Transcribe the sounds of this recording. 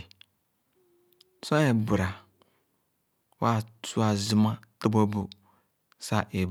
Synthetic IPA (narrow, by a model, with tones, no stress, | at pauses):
sɔ̃˦ɛ˨bʊ˨ɾa˨ | wa˦˨tʰu˦a˨zʊ˦mã˦ta˦bɔ˦bu˨ | sa˨ʔɛ˨